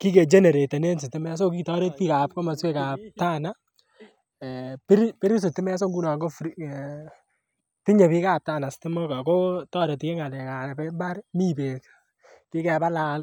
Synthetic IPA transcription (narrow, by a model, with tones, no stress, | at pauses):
ki˦ke˨d͡ʒe˦ne˨ɾe˨te˨ne˦ns̬i˨tɪ˦mɛ˦s̬o˦kitɔ˦ɾe˦t̚pi˦ka˨p̚ko˦ma˨swe˦ka˨p̚ta˦na | pi˦ɾpi˦ɾi˦s̬i˨tɪ˦mɛ˦a˦s̬o˦ŋɡu˦na˨ŋɡo˦fɾ | ti˦ɲe˨pi˦ka˦p̚taː˦na˨stɪ˦mo˦ka˨ko˦tɔ˦ɾe˨tke˦ŋa˨lɛ˨ka˨pɛ˦ba˦ɾmi˦pe˨k | ki˦kɛ˨apa˦la˨l